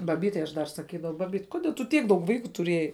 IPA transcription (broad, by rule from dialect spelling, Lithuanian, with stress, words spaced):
bɐˈbʲiːtʲɛɪ ɐʃ dɐr sɐˈkʲiːdɐʋɐʊ ˈbɑːbʲiːt koːˈdʲiɛ tʊ ˈtʲiɛk dɐʊk ˈʋɐɪkʊ tʊˈrʲiɛjɛɪ